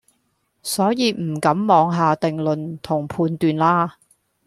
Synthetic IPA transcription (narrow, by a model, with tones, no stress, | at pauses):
sɔː˨˥jiː˨˧m̩˨˩kɐ˨˥mːɔː˨˧ŋɦaː˨t̪ɪ˨ŋlɵ˨nt̪ʰʊ˨˩ŋpʰuː˨˧nt̪yː˨nlaː˥